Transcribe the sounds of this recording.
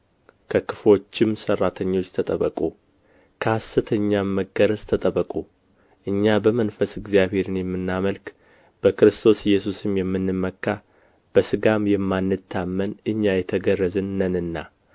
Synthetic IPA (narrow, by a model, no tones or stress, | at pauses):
kʰəkʰɨflo̞t͡ʃːɪmsərːat̪ʰəɲːo̞t͡ʃːt̪ʰət̪ʼəβəkʼu | kʰəasɨt̪ʰəɲːamːəɡəɾəzt̪ʰət̪ʼəβəkʼu | ʔɨɲːabəmənfəsɨɡzjaβhe̞ɾɨnjɛmːɨnːaməlk | b̥əkɨɾɨst̪ʰo̞sjɛsusɨmjɛmːɨnːɨmːəkːa | b̥əsɨɡamjɛmːanːɨt̪ʰːamːənɨɲːajɛt̪ʰəɡərːəzɨnːənɨnːa